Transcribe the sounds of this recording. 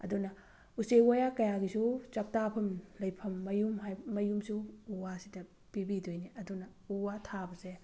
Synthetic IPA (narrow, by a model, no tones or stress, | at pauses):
ɐ̰dunɐ | usewojakɐjaɡisut͡ʃɐk̚tapʰɐmlɐjpʰɐmːɐjumɦajmːɐjumsuːwasidɐ | pibidojniɐdunɐuwatʰabɐse